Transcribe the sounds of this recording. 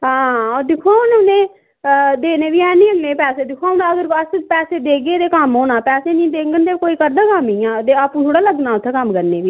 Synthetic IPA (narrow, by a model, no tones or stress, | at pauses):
ɦãːɔːd̪ɪkʰaːʊnonẽː | d̪eːneːʋiːɛːnĩːəŋɡnẽːpɛːseːd̪ɪkʰaːʊnaːəɡəɾəst͡ʃpɛːseːd̪eːɡeːd̪eːkəmɦoːnãːpɛːseːnĩːd̪eːŋɡənd̪eːkoːiːkəɾd̪aːkəmiːãːd̪eːaːpːũːt̪ʰoːɽaːləɡnãːʊt̪ʰːekəmkəɾneːʋiː